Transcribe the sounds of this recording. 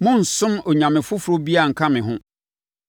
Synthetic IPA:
mʊ̃˦n̩˨sʊ̃˦mɔ˨ɲã˨mɪ̃˨fʊ˦fʊ˨ɾo˦bi˦a˨ŋ̩˨kʰa˦mɪ̃˨ɦʊ̃˦

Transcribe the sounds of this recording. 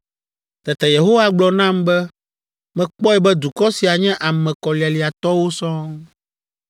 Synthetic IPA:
t̪ɛ˨t̪ɛ˨je˨ɦo˦wa˦ɡ͡blɔ˨nã˦mbɛ˦ | mɛ̃˨k͡pɔ˦ɛ˦bɛ˦d̪u˨kɔ˦si˨a˨ɲɛ̃˦ʔa˨mɛ̃˨kɔ˨li˨a˨li˨a˨t̪ɔ˦wo˦sɔ̃˦ŋ

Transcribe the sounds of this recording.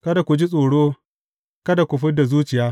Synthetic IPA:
kɐ˦da˨kʷu˨d͡ʒi˦sʼoː˨ɽoː˦ | kɐ˦da˨kʷʊ˨ɸɪ˦da˨zuː˦t͡ʃɪ˨jaː˦

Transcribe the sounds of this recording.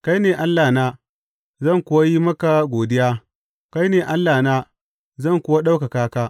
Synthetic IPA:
ka˦jneː˨ʔa˦lːaː˨naː˦ | zɐ˦˨ŋkʷʊ˦wa˦ji˦mɐ˦ka˨ɡʷoː˨dɪ˦jaː˦ | ka˦jneː˨ʔa˦lːaː˨naː˦ | zɐ˦˨ŋkʷʊ˦wa˦ɗa˦wka˨kaː˦kaː˦

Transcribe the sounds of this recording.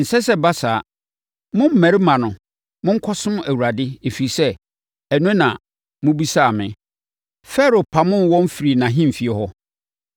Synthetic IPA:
n̩˨sɛ˦sɛ˦ba˦saː˨ | mʊ̃˦m̩˦˨mæ̃˨ɾɪ˦mã˨nʊ̃˨ | mʊ̃˦ŋ̩˦kʰɔ˦sʊ̃˦mæ˨wu˨a˨dɪ˦e˨fi˨i˨sɛ˦ | ɛ˨nʊ̃˦nã̰˨ | mʊ̃˦bi˦sa˦˨mɪ̃˨ | fɛ˦ɾo˨pʰa˨mʊ̃˦nwɔ̃˦m˦fi˨ɾi˨nã˨ɦɪ̃˦m̩˨fi˨ɛ˨hɔ˦

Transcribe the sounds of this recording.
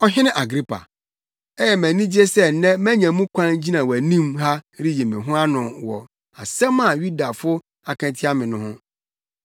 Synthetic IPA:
ɔ˦ɦɪ̃˦nɪ̃˦ʔa˨ɡɾi˦pʰa̰˨ | ɛ˦jɛ˨mæ̃˨nĩ˦d͡ʑi˦e˦sɛ˦˨nɛ̃˦mæ̃˦ɲɛ̃˨mũ˦kʷʰã˦nd͡ʑi˦nã˨wæ˨nĩ˦mɦa˦ɾi˦je˨mɪ̃˨ɦʊ̃˦a˦nʊ̃˨wɔ̰˨ | a˨sɛ̃˦mã˨ju˦da˨fʊ˦ | a˨kʰɛ̃˨tʰɪ˦a˦mɪ̃˨nʊ̃˦hʊ̃˦

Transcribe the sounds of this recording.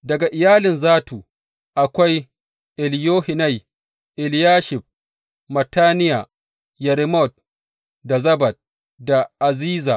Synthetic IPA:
dɐ˨ɡa˨ʔɪ˨jaː˦lɪ˨nzaː˦tuː˨ | ʔa˨kʷa˦j | ʔɪ˨ljoː˦hɪ˨na˦˨j | ʔɪ˨ljaː˦ʃɪ˨ɸ̚ | mɐ˨taː˦nɪ˦ja˨ | jɐ˨ɾɪ˦mɔ˦˨t̚ | da˨zɐ˦bɐ˨d̚ | da˨ʔa˨ziː˦za̰˨

